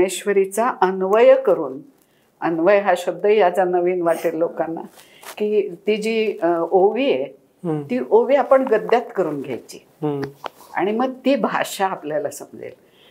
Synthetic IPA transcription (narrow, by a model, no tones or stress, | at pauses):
eɕʋəɾit͡saʔənʋəjkəɾuːn | ənʋəjɦaɕəd̪ʱːəijat͡sanəʋiːnʋaʈillokanːa̰ | kiːt̪id͡ʑiːoʋiːe | t̪iːʔoʋiːapəɳɡəd̪jat̪kəɾuːnɡʱja̰jt͡ɕḭː | a̰ɽ̃iməɡ̚t̪iːbʱa̰ʂaːpljalasəmd͡zḛl